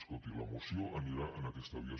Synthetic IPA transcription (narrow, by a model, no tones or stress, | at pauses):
skot̪ilə̰mosioʔəniɾaʔənəkɛst̪əβiə